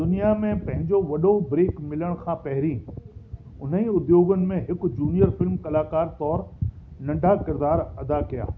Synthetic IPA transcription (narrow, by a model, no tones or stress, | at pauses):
d̪ʊnijamẽpɐ̃ɦɪ̃ɲd͡ʑoʋɐɗobɾeːkmɪləɽ̃kʰãːpɐɦɪɾĩ | ʊn̤əĩʊd̪joːɡənɪ̆mẽɦɪkʊd͡ʑuːnijəɾfɪlmkɐlaːkaːɾt̪ɔːɾnɐ̃ɳɖʱakɪɾd̪aːɾɐd̪akija̰ː